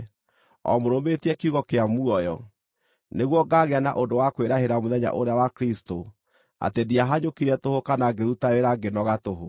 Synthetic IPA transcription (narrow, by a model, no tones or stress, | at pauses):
ɔ̰moɾometiɛkiuɣɔkeamuɔjɔ̰ | neɣwɔɡaɣeana̰ʔondowakweɾaɦeɾamoðɛɲa̰ʔoɾeawakɾisto | a̰tediaɦaɲokiɾɛtohokanaɡeɾutaɾeɾaɡenɔɣatoɦo